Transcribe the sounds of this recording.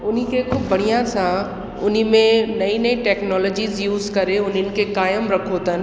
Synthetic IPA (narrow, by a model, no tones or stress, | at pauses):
ʊnikʰekʊbbʱɐɽ̃ijãsã | ʊnimẽnɐĩnɐĩʈɛːknɔːlɔːd͡ʑiːzjuːzkɐɾeʊnənɪ̆kʰekaːjəmɾɐkʰot̪ənɪ̆